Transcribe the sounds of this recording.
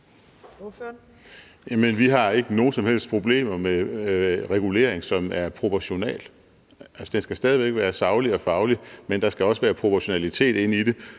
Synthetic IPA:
jæmenʋiɦɑ̈e̝ɡ̥əno̝ːn̩sɒ̽mhel̰sd̥̚pʰʁo̝b̥le̝̰ːmɐme | ʁɛɡ̥ule̝̰ːɐeŋsɒ̽mæɐpʰʁo̝pʰɒɕo̝nɛ̰ːl | ælsɒd̥ensɡ̥æsd̥ɛːð̞ˠiʋeɡ̥ʋæːɐsɑ̈ʊliɒ̽fɑ̈ʊlimend̥ɑ̈sɡ̥æɒ̽səʋæːɐpʰʁo̝pʰɒɕo̝nælit͡sʰe̝̰ːd̥e̝n̰id̥e̝

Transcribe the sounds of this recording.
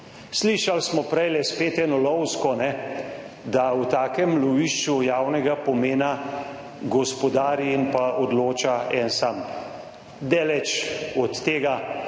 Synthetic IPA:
sliʃalsmɔpɾɛjlɛspeːt̪ɛnɔlɔwskɔnɛ | d̪awt̪aːkɛmlɔʋiːʃt͡ʃujaːwnɛɡapɔmeːna | ɡɔspɔd̪aːɾiinpaʔod̪loːt͡ʃaɛnsam | d̪ɛːlɛt͡ʃɔt̪ːeːɡa

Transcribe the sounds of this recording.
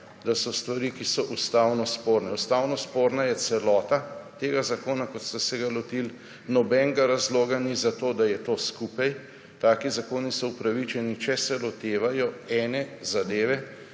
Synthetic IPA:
d̪asɔst̪ʋaɾikisɔʔust̪aːwnɔspoːɾnɛust̪aːwnɔspoːɾnajɛt̪sɛlɔːt̪at̪eːɡazakoːnakɔt̪st̪asɛɡalɔt̪il | nɔbɛŋɡaɾazloːɡanizat̪oːd̪ajɛt̪oːskupaj | t̪aːkizakoːnisɔupɾaʋit͡ʃɛnit͡ʃɛsɛlɔt̪eːʋajɔɛːnɛzad̪eːʋɛ

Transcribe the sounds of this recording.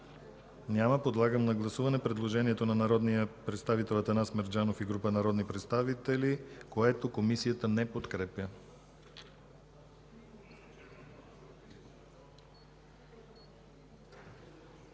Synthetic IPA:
nʲaməpod̪lˠaɡəmnɐɡlˠɐsuvɐnɛpɾɛd̪lˠoʒɛniɛt̪onɐnɐɾɔd̪nijəpɾɛt̪st̪avit̪ɛlˠət̪ɐnasmɛɾd͡ʒanofiɡɾupənɐɾɔd̪nipɾɛt̪st̪avit̪ɛlikoɛt̪okomisijət̪ənɛpot̪kɾɛpʲjə

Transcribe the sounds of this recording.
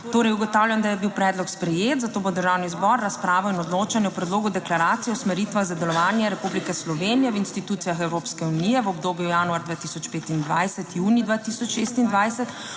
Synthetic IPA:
t̪oːɾɛjuɡɔt̪aːwljand̪ajɛbiwpɾɛːd̪lɔkspɾɛjeːt̪zat̪oːbod̪əɾʒawnizbɔɾːaspɾaːʋɔinɔd̪loːt͡ʃanjɛɔpɾɛd̪loːɡud̪ɛklaɾaːt̪sijɛɔsmɛɾiːt̪ʋaɣzad̪ɛlɔʋaːnjɛɾɛpublikɛslɔʋeːnijɛʋinst̪it̪uːt̪sijaxɛwɾoːpskɛunijɛʋɔbd̪oːbjujaːnuaɾd̪ʋaːt̪isɔt͡ʃpeːt̪ind̪ʋa̰jsɛt̪juːnid̪ʋaːt̪isɔt͡ʃʃeːst̪ind̪ʋajsɛt̪

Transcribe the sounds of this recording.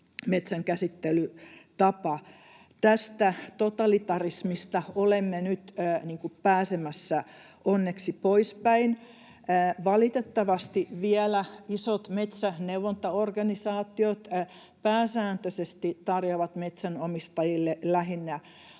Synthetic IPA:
met̪sæŋkæsit̪ːelyt̪ɑpɑ | t̪æst̪æt̪ot̪ɑlit̪ɑrismist̪ɑolemːenyt̪ːniːŋkuppæːsemæsːæ | onːeksipoispæin | əːʋɑlit̪et̪ːɑʋɑst̪iʋiɛlæisot̪met̪sæneuʋont̪ɑorɡɑnisɑːt̪ːiot̪ | pæːsæːnt̪øsest̪it̪ɑrjoʋɑt̪met̪sænomist̪ɑjilːelæɦinːæ

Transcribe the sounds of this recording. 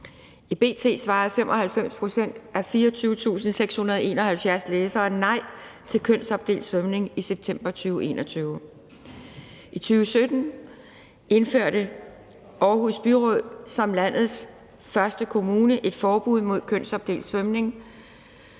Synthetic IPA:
ib̥e̝̰ːt͡sʰe̝̰ːsʋɑ̈ːð̩ˠfemʔɒ̽hælfem̰spʰʁo̝sen̰d̥æfiːɒt͡sʰyːʊət͡sʰṵːsn̩seɡ̥shunɐð̞ˠe̝̰ːnɐ̽hælfjæɐsleːsɐːnɑ̈ɪ̰t͡sʰe̝lkʰøn̰sɒ̽b̥̚d̥e̝̰ːld̥sʋœmne̝ŋiseb̥̚t͡sʰem̰b̥ɐt͡sʰyːʊəe̝̰ːnɒt͡sʰyːʊ | ʔit͡sʰyːʊəsød̥n̩ | ʔe̝nføɐ̰ɾ̥ə | ɒːɦusb̥yʁɔðˠsɒ̽mlæn̰ð̩ˠs | fɶɐsd̥əkʰo̝muːnəʔe̝d̥fɒːb̥uð̞̰ˠmo̝ð̞̰ˠkʰøn̰sɒ̽b̥̚d̥e̝̰ːld̥sʋœmne̝ŋ

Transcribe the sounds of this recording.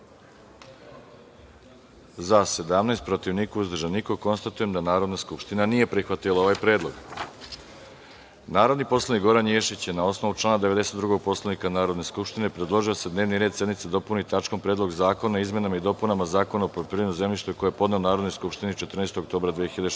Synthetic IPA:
zase̞d̪amnest̪pɾot̪iʋnikuuzd̪r̩ʒanikoko̞nst̪at̪uje̞md̪anaːɾo̞d̪naskupʃt̪inanije̞pɾixʋat̪ilˠaoʋajpɾe̞ːd̪lˠo̞ɡ | naːɾo̞d̪nipo̞slˠanikɡo̞ɾanjeʃit͡ɕjenao̞sno̞ʋut͡ʃlˠaːnad̪e̞ʋe̞d̪e̞se̞t̪ːɾuɡo̞ɡ̚po̞slˠanikanaːɾo̞d̪ne̞skupʃt̪inepɾed̪lˠo̞ʒiosed̪ne̞ːʋniɾed̪sje̞d̪nit̪sed̪o̞punit̪at͡ʃko̞mpɾed̪lˠo̞ɡzaːko̞naizme̞namaid̪o̞punamazaːko̞naopɾopiɾʲenuze̞mʎiʃt̪oiko̞jeepod̪ne̞onaːɾo̞d̪nojskupʃt̪init͡ʃe̞t̪r̩nest̪oɡokt̪o̞ːbɾad̪ʋijexiʎad̪e

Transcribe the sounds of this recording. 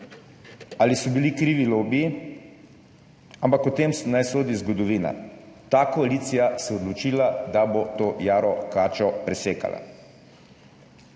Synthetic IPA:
alisɔbilikɾiːʋiloːbiː | ampakɔt̪eːmsnajsoːd̪izɡɔd̪ɔʋiːna̰ | t̪aːkɔaliːt̪sijasɛɔd̪lɔt͡ʃiːlad̪abot̪oːjaːɾɔkaːt͡ʃɔpɾɛseːka̰la̰

